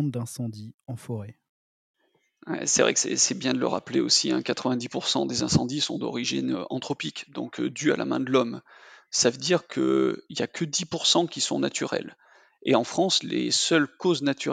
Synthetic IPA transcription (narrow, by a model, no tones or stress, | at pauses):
d̪ɛ̃sɑ̃d̪iɑ̃fɔʁɛ | wɛ̰sɛvʁɛ̰ksɛ̰sɛbjɛ̃d̪ələ̰ʁapleosiɛ̃kat̪χəvɛ̃d̪ipuʁsɑ̃d̪ezɛ̃sɑ̰̃d̪isɔ̰̃d̪ɔ̰ʁiʒinøɑ̰̃t̪χɔpikd̪ɔ̰̃kʰd̪ya̰la̰mɛ̃d̪əlɔmsavəd̪iʁkʰə̰iljakʰəd̪ipuʁsɑ̃kʲisɔ̃nat̪yʁɛ̰l | eɑ̃fχɑ̃slesœlkoznat̪yʁ